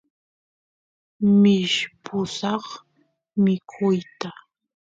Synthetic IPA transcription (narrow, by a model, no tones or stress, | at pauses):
mɪʃpʊsɑχ | mɪkʰʊjt̪a